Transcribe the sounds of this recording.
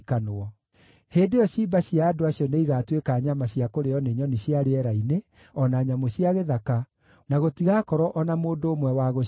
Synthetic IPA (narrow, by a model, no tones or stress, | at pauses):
kanoɔ | heːndeɔɕiːbaɕiaːdoaɕiɔneiɣaːtwekaɲamaɕiakoɾeɔneɲɔniɕiaɾeɛɾaine | ɔnaɲamoɕiaɣeðaka | naɣotiɣakɔɾɔʔɔnamoːndoːmwɛwaɣo